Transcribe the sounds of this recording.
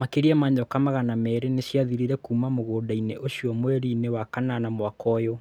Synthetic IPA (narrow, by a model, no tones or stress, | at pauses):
makeɾiɛmaɲɔkamaɣanamɛɾeneɕjaðiɾiɾɛkuːmamoɣoːdaineʔoʃiɔmwɛɾinewakananamwakɔjɔ